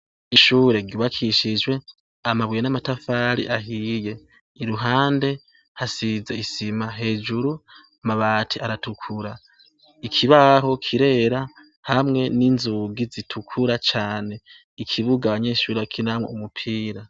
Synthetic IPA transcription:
iʃuːɾe̞ɡɟuβakʰiʃid͡ʒwe̞ | amaβwijenamatafaːɾḭʔaɦiːje̞ | iɾuɦaːnde̞ | hasizeisimaɦe̞ːd͡ʒuɾu | maβatʰiaɾatukʰuɾa | ikʰiβaɦo̞kʰiɾe̞ɾa | hamŋe̞ninzuɡizitʰukʰuɾat͡ʃaːne̞ | ikʰiβuɡaβaɲe̞ːʃuːɾeβakʰinamwḛumupʰiːɾa

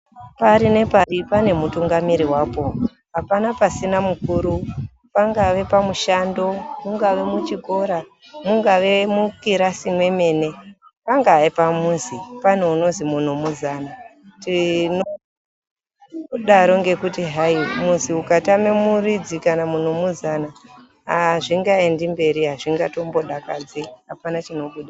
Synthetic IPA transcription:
paɾine̞paripane̞mutuŋɡamiɾiwaːpo̞ | ɦapanapasinamukuːɾu | paŋɡaʋe̞pamuʃando̞muŋɡaʋe̞mut͡ʃiko̞ɾa | muŋɡaʋe̞mukiɾasimwe̞me̞ːne̞paŋɡaipamunzipan̤uuno̞zimun̤omuzaːnatino | ɗaɾo̞ŋɡe̞kutiɦaimunziukatamemurid͡zikanamun̤omuzana | ɦaʐiŋɡae̞ndimbe̞ɾiɦaʐiŋɡato̞mbo̞ɗakad͡ziɦapanat͡ʃino̞ɓuɗa

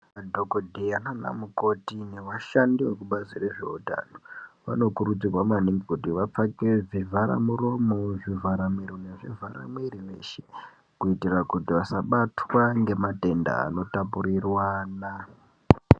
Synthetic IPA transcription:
adʱokodʱijanana̰muko̞tine̞ʋaʃandiwekuɓazire̞ʐe̞̰uta̰noʋa̰no̞kuɾud͡zirwamaniŋɡekutiʋap͡fake̞ʐivʱaɾa̰muro̞mo̞ʐivaɾamiɾone̞ʐivʱaɾa̰mwiriʋe̞ʃe | kuitirakutiʋasaɓatwaŋɡe̞mate̞nda̰ːno̞tapuɾirwana

